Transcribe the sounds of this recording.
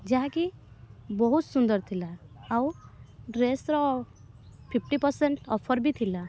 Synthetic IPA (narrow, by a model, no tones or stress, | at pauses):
d͡ʒaɦãkibɔɦut̪sund̪əɾt̪ʰilaawɾesɾɔ | pʰipʈipəɾsẽɳʈɔpʰəɾbʱit̪ʰila